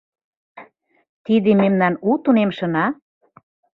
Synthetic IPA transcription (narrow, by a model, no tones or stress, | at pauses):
t̪id̪ememnɑnut̪unemʃɤ̆nɑ